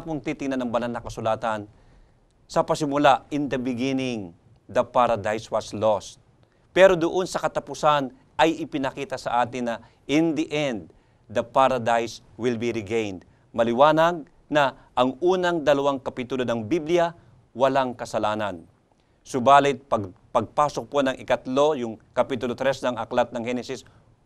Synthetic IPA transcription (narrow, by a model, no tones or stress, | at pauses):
poŋt̪it̪ɪŋnanɐŋbɐnalnɐkɐsʊlaːt̪ɐn | sɐpɐsɪmʊlaʔɪnd̪ɐbɪɡinɪŋ | d̪ɐpaɾɐd̪ajswɐslost̪̚ | pɛːɾod̪ʊʔo̞nsɐkɐt̪ɐpʊsan | ɐjʔɪpɪnɐkiːt̪ɐsɐ̰ʔaːt̪ɪnːɐ | ɪnd̪iʔɛnd̪̚ː | ɐpaɾɐd̪ajs | wɪlbiɾɪɡejnd̪ | mɐlɪwaːnɐɡ̚ | nɐ | ʔɐŋʔuːnɐŋd̪ɐlɐwaŋkɐpit̪ʊlonɐŋbiblɪja | wɐlaŋkɐsɐlaːnɐn | sʊbaːlɪt̪̚pɐpɐɡ̚paːsok̚ponɐŋʔɪkɐt̪lo̞jʊŋkɐpit̪ʊlot̪ɾɛsnɐŋʔɐklat̪̚nɐŋhɛnɛsɪs